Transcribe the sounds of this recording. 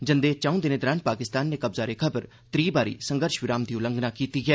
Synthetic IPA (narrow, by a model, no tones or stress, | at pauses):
d͡ʒənd̪eːt͡ʃãũːd̪ɪneːd̪ɾaːnpaːkɪst̪aːnːeːkəbzaːɾeːkʰəbəɾ | t̪ɾiːbaːɾḭːsəŋɡəɾʃʋɪɾaːmd̪iːʊləŋɡnaːkiːt̪iːɡɛː